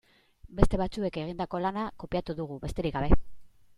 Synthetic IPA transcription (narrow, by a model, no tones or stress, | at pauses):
be̞st̪e̞βat͡sue̞ke̞ɣ̞ind̪ako̞lanako̞piat̪uðuɣ̞uβe̞st̪e̞ɾikɡɡaβ̞e̞